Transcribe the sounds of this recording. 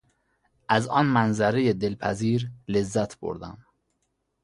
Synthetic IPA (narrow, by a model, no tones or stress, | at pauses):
ʔæzɒːnmænzæɾejed̪elpʰæ̰ziːɾlezːæt̪ʰb̥o̰ɾd̪æ̰m